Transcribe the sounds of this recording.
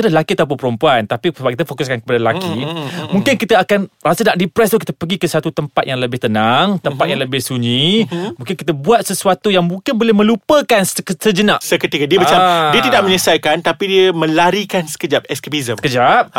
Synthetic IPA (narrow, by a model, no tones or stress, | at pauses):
adalakiat̪aup̬unpəɾumpuant̪apisəbaʔ̚kit̪afokuskankəpadaəlakimũŋkɪnkit̪aakanɾasənaʔ̚dipɾɛst̪uhkit̪apəɡikəsat̪ut̪əmpat̪̚jaŋləbɪht̪ənaŋt̪əmpat̪̚jaŋləbɪhsuɲĩmũŋkɪnkit̪abuat̪̚səsuat̪ujaŋmũŋkɪnbolɛhmə̃lupəkanssəd͡ʒənaʔsəkət̪ikadiəbat͡ʃadiət̪idaʔ̚mə̃ɲəsajkant̪apidiəmə̃laɾikansə̥kəd͡ʒap̚ɛskebizəkəd͡ʒap̚